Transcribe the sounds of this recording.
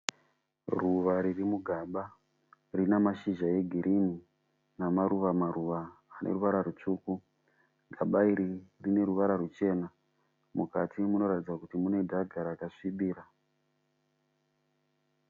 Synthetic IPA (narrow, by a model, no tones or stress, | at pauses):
ruʋaɾirimuɡʱaɓa | rinamaʃiʒaje̞ɡʱiɾʔini | namaɾuʋamaɾuʋaːnʔḛruʋaɾarut͡ʂuːku | ɡʱaɓaiɾirine̞ɾuʋaɾarut͡ʃe̞ːna | mukatʰimuno̞ɾatid͡zakutimune̞dʱaɡʱaɾakaʂiɓiːɾa